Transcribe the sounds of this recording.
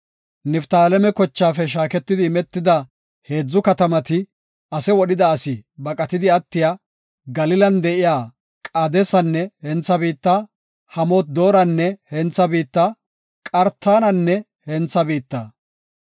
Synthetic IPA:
nɪft̪aːlɛmɛkɔt͡ʃːaːfɛʃ̬aːkɛt̪ːɪd̪ɪmɛt̪ːɪd̪ɐ | he̞ːd͡zːʊkɐt̪ɐmɐt̪ɪ | ɐsɛwɔɗɪd̪ɐːsɪbɐkʼɐt̪ɪd̪ɪɐt̪ːɪjaː | ɡɐlɪlɐnd̪ɛʔɪjaː | kʼɐd̪ɛsɐnːɛhɛnt͡sːɐbiːt̪ːa | hɐmoːt̪̚d̪oːɾɐnːɛhɛnt͡sːɐbiːt̪ːa | kʼɐɾt̪ːaːnɐnːɛ | hɛnt͡sːɐbiːt̪ːɐ̰

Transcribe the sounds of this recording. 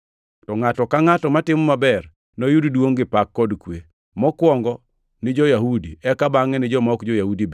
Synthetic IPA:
tɔŋatɔkaŋatɔmatɪmɔmabɛr | nojuddwoŋɡɪpakːɔdkwe | mɔkwɔŋɡɔ | nɪd͡ʒɔjahudiɛkabaŋɛnɪd͡ʒɔmɔkd͡ʒɔjahudib

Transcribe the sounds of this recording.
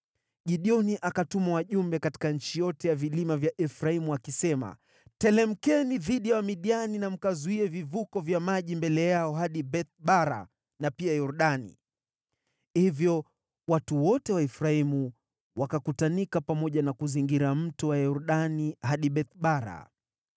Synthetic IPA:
ʄiɗiɔniʔakatumawaʄumbɛkati̥kaɲ̩t͡ʃijɔtɛjavilimavjaʔɛfɾaimuakisɛma̰ | tɛlɛm̩kɛniðiɗijawamiɗianinam̩kazuiɛvivukɔvjamaʄimbɛlɛjaɔɦaɗiɓɛθɓaɾa̰ | napiajɔɾɗanḭ | hivjɔ | watuwɔtɛwaɛfɾaimu | wakakutanikapamɔʄanakuziŋɡiɾam̩tɔwajɔɾuɗanihɦaɗiɓɛθɓaɾa̰

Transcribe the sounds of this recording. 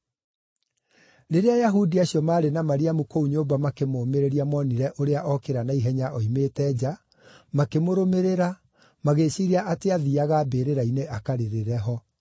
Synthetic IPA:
ɾeɾeajaɦudiaɕjɔmaːɾenamaɾiamukouɲoːbamakemoːmeɾeɾiamɔniɾɛʔoɾeaʔɔkeɾanaiɦɛɲaʔɔimeːtɛːd͡ʑa | makemoɾomeɾeɾa | maɣeɕiɾiaʔateaðiaɣabeɾeɾaineʔakaɾeɾeɾɛɦɔ

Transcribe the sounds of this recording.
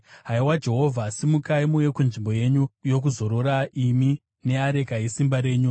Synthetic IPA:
ɦaiwad͡ʒe̞ɦo̞vʱasimukaimuje̞kunʐimbo̞je̞ɲujo̞k̬uzo̞ɾo̞ɾaʔimi | ne̞aɾe̞kaɦisimbaɾe̞ːɲu

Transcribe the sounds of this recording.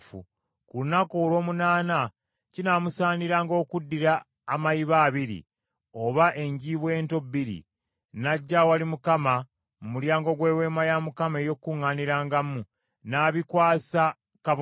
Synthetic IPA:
fṵ | kulunakolo̞ːmunaːna | cinamusaːniɾaːŋɡo̞ːkudːiɾaː | majiβaːβiɾḭ | o̞βaʔe̞ɲɟiβwe̞ːnto̞biɾḭ | naɟːawalimukama | mumuljaːŋɡo̞ɡwe̞ːwe̞ːmajamukamejo̞kːuŋːaniɾaːŋɡamu | naːβikwaːsa | kaβ

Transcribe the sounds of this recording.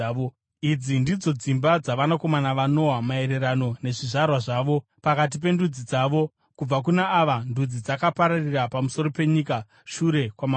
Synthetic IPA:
o | id͡zindid͡zo̞d͡zimbad͡zaʋanako̞manaʋano̞ɦamae̞ɾe̞ɾano̞ne̞ʐiʐarwaʐaːʋo̞pakat̬ip̬e̞ndud͡zid͡zaːʋo̞ | kub͡vak̬unaːʋandud͡zid͡zakapaɾarirapamuso̞ɾope̞ɲika | ʃuɾe̞kwama

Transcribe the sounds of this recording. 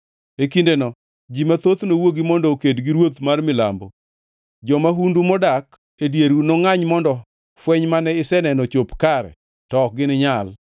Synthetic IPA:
ekindenɔ | d͡ʒimat̪ot̪nowoɡimɔndɔkedɡiɾwot̪marmɪla̰mbo | d͡ʒɔmaɦundumɔdak | edjeɾunoŋaɲmɔndɔ | fwɛɲmanɛɪsɛnɛnɔt͡ʃopkaɾɛ̰ | tɔk̚ɡɪnɪɲal

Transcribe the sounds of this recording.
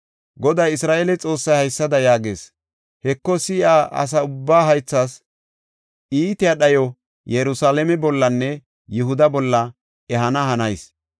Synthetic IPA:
ɡɔd̪ɐjɪsɾaːʔɛlɛt͡sʼo̞ːsːɐjhɐjsːɐd̪ɐjaːɡḛːs | hɛkːɔsɪʔaːʔɐ̰s̬ɐʊbːaːɦɐjt͡sːas | iːt̪ɪjɐɗɐjɔ | jɛɾʊsaːlɛmɛbɔlːɐnːɛ | jʊɦʊd̪ɐbɔlːɐ | ɛɦɐnɐhɐnɐjs

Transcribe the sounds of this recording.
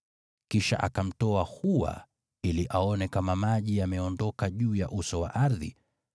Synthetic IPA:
kiʃa̰ʔa̰kam̩tɔahuwa̰ | iliʔaɔnɛkamamaʄijamɛɔndɔkaʄuːjaʔusɔwa̰ʔaɾðḭ

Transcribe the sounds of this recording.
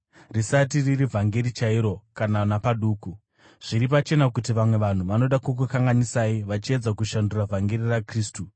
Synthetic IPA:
risat̬iririvʱaŋɡe̞ɾit͡ʃaiɾo̞kananapaɗuːku | ʐ̥iɾipat͡ʃe̞nakutiʋamwe̞ʋan̤uʋano̞ɗakuk̬ukaŋɡanisaiʋat͡ʃie̞d͡zakuʃanduravʱaŋɡe̞ɾirakriːstu

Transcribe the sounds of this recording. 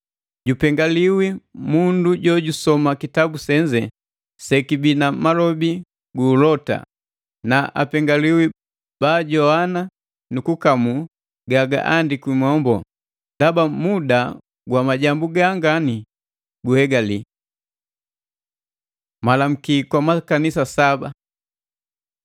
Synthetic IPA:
ɟupɛŋɡaliwimunduɟɔɟusɔmakitabusɛɲd͡ʒɛ | sɛkibinamalɔbi | ɡuːlɔta̰ | naʔa̰pɛŋɡaliwi | b̥aːɟɔhana | nukukamu | ɡaɡa̰ʔandikimɔmbɔ | ndabamuda | ɡwamaɟambuɡaŋɡani | ɡuhɛɡali | malam̩kikwamakanisasaba

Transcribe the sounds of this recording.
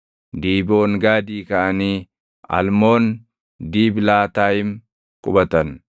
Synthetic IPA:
d̪iːbo̞ːŋɡaːd̪iːkɐʔɐniː | ɐ̰lmo̞ːn | d̪iːblaːt̪aːjɪm | kʼʊbɐt̪ɐn

